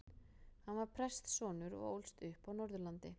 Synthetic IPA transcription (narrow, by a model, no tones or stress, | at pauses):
hanvaɾ̥pʰɾɛst̪sɔːnʏɾɔ̰ɣo̰wlst̪ʏhpawnɔɾðʏlant̪ɪ